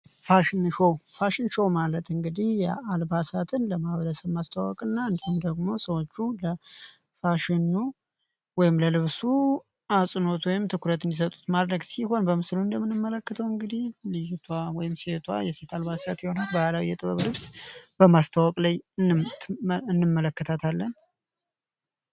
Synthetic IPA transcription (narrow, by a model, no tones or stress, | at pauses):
faʃɪnʃɛwfaʃɪnʃəwmalət̪ʰɨŋɡɨd̪ihjɛalbasat̪ʰɨnləmaβələsəβmast̪ʰawɔ̰kʼɨnːaɨnd̪ihumd̪əɡmo̞səwot͡ʃːulə | faʃɪnu | wɔjɪmləlɨβsu | asʼɨno̞t̪wɔjɪmt̪ʰɨkʰuɾət̪ʰɨnis̬ət̪ʼut̪mad̪ɾəɡsiɦo̞nbəmɨsluɨnd̪əmːɨnɨmːələkːət̪ʰəwɨŋɡɨd̪ihlijt̪ʰawɔjɪmse̞t̪ʰwa̰jɛse̞t̪ʰalbasat̪jɛho̞nalbahalawijɛt̪ʼɨβəβlɨβsb̥əmast̪ʰawɔkʼlajɨn | ɨnːɨmːələkːət̪ʰat̪ʰalːən